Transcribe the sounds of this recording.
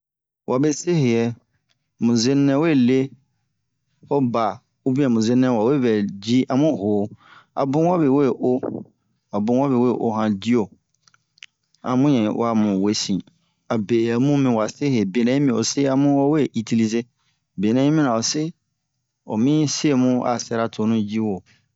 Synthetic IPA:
wʔa˨be˦se˦ɦe˨ɛ˨ | mũ˨ze˦nɛ̃˦we˦˨le˦ | ɔ˦ba˨ | o˦bĩ˦ɛ̃˨mũ˨ze˦nɛ̃˦wa˨we˦vɛ˨d͡ʑi˦ʔa˨mʊ̃˦˨hoː˨a̰˨bʊ̃˦wa˦be˨we˦˨ʔo˦ | a˨bʊ̃˦wa˦be˨we˦˨ʔo˦ɦã˨di˦o˨ | ã˨mʊ̃˦jɛ̃˨wa˨mʊ̃˨we˨sĩ˨ | a˨be˨a˨mũ˦mĩ˨wa˨sɪ˦ɦe˨be˨nã˨˦ĩ˦mĩ˨ɔ˨sɪ˦a˨mʊ̃˦wɔ˦we˦˨ʔi˨tʰi˨li˨ze˦ | be˨nɛ̃˨˦ĩ˦mĩ˦nã˨ɔ˨sɪ˦ | ɔ̰˨mĩ˦se˦˨mʊ̃˦a̰˨sɛ˦ɾa˦˨tʰʊ˨˦nʊ̃˦d͡ʑi˦wo˨

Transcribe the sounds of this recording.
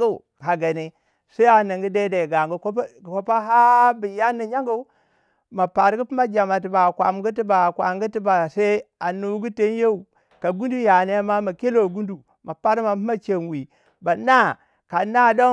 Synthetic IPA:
a˦˨ | ha˨ɡa˨ne˨ | sa˦a˨na˨ŋɡi˦da˦da˨ɡa˨ŋɡko˦pa˦ɦa˦bi˨ja˦ni˨ɲa˦ŋɡo˦ | ma˨pa˨ɾɡu˦pi˦ma˦d͡ʒa˨ma˨ti˨ba˨kʷa̰˨mɡu˦ti˦ba˨kwa˨ŋ˦ɡu˦ti˦ba˨sa˦a˨nu˨˦ɡu˦te˦n˦je˦u˨ | ka˨ɡu˦ndu˦ja˨ne˦ma˦ma˨ke˦lo˨ɡu˦ndu˨ | ma˨pa˦ɾma˨pi˦ma˦t͡ʃe˨nwi˨ | ba˨na˦ | ka˨na˦do˦

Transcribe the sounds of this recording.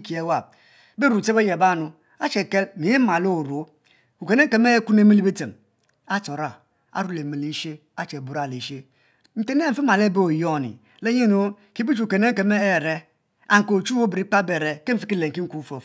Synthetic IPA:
ki˨e˦wa˦˨b̚ | be˦ɾu˨t͡se˦be˦je˨ba˦˨nu˨ | a˦t͡ʃe˨ke˦lmi˨e˦ma˨lo˦˨ɾo˨˦ | u˨ke˨ne˦e˨me˦ku˦ne˦mi˦li˦be˦te˨m | a˦to˨ɾa˨ | a̰˨ɾu˦le˨mi˨li˦ʃe˦ | a˦t͡ʃe˨bu˨ɾa˦˨le˨ʃe˦ | n̩˦te˦n˦e˦m̩˨fi˦ma˨le˦be˦o˨jo˦˨nḭ˨ | le˦ɲe˦no˦ | ki˦bi˦t͡ʃu˨ke˨ne˦ŋ̩˦ke˨me˦e˦˨ɾe˦ | a˨ŋ˨ko˨t͡ʃu˦o˦bɾi˦k͡pa˦be˨ɾe˨ke˦m̩˦fi˦ki˦le˨ŋ̩˨ki˦ŋ̩˦ku˦fo˨

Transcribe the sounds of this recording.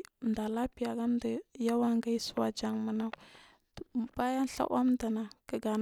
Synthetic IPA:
nda˨la˦pi˨ja˨ɡa˦mda˨ja˦wa˦ŋɡa˦i˦su˦wa˦d͡ʒa˨ŋmə˨na˦˨ | b̥a˦ja˦n˦ɬa̰˦ʔa̰˦mda˨na˨kə˨ɡa˨n

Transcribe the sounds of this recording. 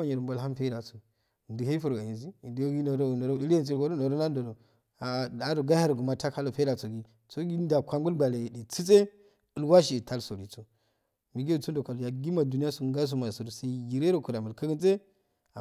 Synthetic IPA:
a˨ɲi˨ɾmbo˨lɦa˦m˦fe˦i˦da˨so˨ | ndi˨ɦa˦fu˨ɾɡa˨ji˨nzi˦˨dɡi˦no˨do˦˨no˨ɾo˦i˦le˦˨t͡si˦˨ɡo˦ɾo˦no˨ɾo˦na˦do˨do˨ | a˨da˨do˨ɡa˦ha˦ɾɡu˨ma˦ta˦ka˦lo˨fe˦da˨t͡so˨ɡi˦ | t͡so˦ɡi˦nda˨kʷa˨m˦u˦lɡa˨le˨di˨t͡si˦t͡sʼe˦ | i˨lwa˦ʃ̬i˨i˨tʰa˦lso˨li˨t͡so˨ | mi˨ɡe˦˨t͡su˦ndo˨ka˨lja˨ɡi˦ma˨du˨n˦a˦su˨ɡa˦s̬u˦ma˨su˨ɾu˨sa˦i˦ɡi˨ɾe˦ɾo˨ko˨ɾa˨mə˨lka˦ɡə˦t͡se˦ | a̰˨

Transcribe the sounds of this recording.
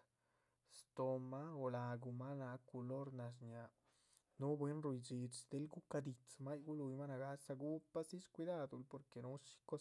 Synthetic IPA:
st̪o˨ma˦o˨la˨ɡu˨ma˦na˧ku˧lo˦ɾna˨s̬ɲja˨ | nu˦bwe˦nɾu˧jd͡ʒi˨t͡ʃd̪e˧˦lɡu˦ka˧d̪i˨t͡sma˦jɡu˦lu˧jma˦na˨ɡa˦sa˧ɡu˦pːa˦si˦t͡ʃkʷi˧d̪a˦d̪u˨˧˨lpo˨ɾke˨nu˦ʃi̥˦ko˦

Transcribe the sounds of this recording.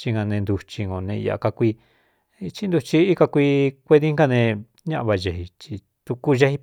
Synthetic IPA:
t͡ʃi˧ŋa˧nẽ˧nd̪u˧t͡ʃi˧ŋõ˧˨nẽ˧a̰˧˨˧ka˧kʷi˧ | t͡ʃi˦nd̪u˧t͡ʃi˧i˦ka˧kʷi˧kʷe˧ði˦ŋ˦ka˦˧nẽ˧ | ɲã˦ʔβa˧ʒe˧hi˧t͡ʃi˧ | t̪u˧ku˦ʒa˦˧hi˧

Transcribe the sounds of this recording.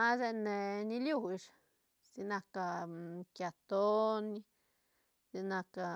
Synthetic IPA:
a˦ze˦ne˨ni˧lju˧ʂ | si˧na˧ka˧kja˨t̪o˦ni˧ | zi˧na˧ka˧

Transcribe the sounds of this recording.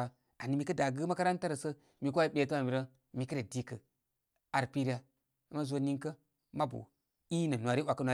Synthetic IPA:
a˨ | a˨ni˨mi˨kə˦da˨ɡɨ˦ma˦ka˦ɾa˦nta˦ɾə˨sə˦ | mi˨k̬a˦i˦ɓʲe˨tə˦a˨mi˨ɾə˦ | mi˨kə˦ɾe˨di˦kə˨ | a˨ɾpi˦ɾi˦a˦ | ma˦zo˦ni˦ŋkə˦ | ma˦bṵ˨ | i˦nə˨nʷ˨a˨ɾi˦wa˨kə˦nʷwa˨

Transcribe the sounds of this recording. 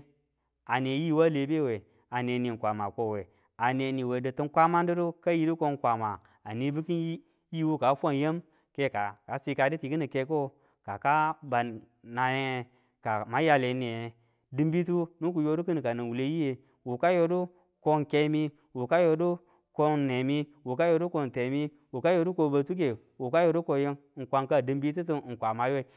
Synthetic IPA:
a˨ne˨˦ji˦˨wa˦le˨˦be˦˨we˨ | a˨ne˨ni˨n˨kʷa˨ma˨ko˨we˨ | a˨ne˨ni˨we˨də˨tu˦n˦kʷa˦ma˦ndu˦du˦ka˦ji˦du˦ko˧nkʷa˨ma˨ | a˨ni˨˦bi˦ki˦n˦ | ji˦wo˦ka˨˦fʷa˦˨n˦je˦m | ke˦ka˨ka˨˦si˧ka˨di˦ti˨ki˦ni˨ke˧˦ko˦ | ka˨ka˦ba˨nːa˨je˦e˦ | ka˨ma˦ja˧le˨˦ne˨e˨ | dɨ˦mbi˦tu˦nu˦ku˨jo˦du˦ki˦n˨ka˨na˨wu˨le˦ji˦je˨ | wu˨ka˦jo˦du˦ | ko˦ŋke˧˦mi˦ | wu˨ka˦jo˧du˦ | ko˧ne˨mi˦wu˨ka˦jo˧du˦ko˧˨n˨te˨mi˦ | wu˨ka˦jo˧˦du˦ko˧ba˨tu˦k̬e˨ | wu˨ka˦jo˧˦du˦ko˧je˦ŋ˦ŋ̩˨kʷa˦ŋka˦˨dɨ˦mbi˦t̬u˦t̬u˦˨kʷa˨ma˨jo˦i˨

